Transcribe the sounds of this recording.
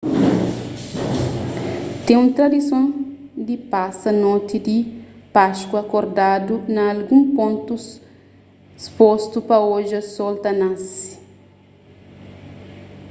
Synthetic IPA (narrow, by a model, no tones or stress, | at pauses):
t̪ẽũnt̪ɾɐd̪isõnd̪ipasɐnɔt̪id̪ipaʃkwɐkoɾd̪ad̪unɐːlɡũmpõnt̪us | spost̪upɐoʒɐsolt̪ɐnãs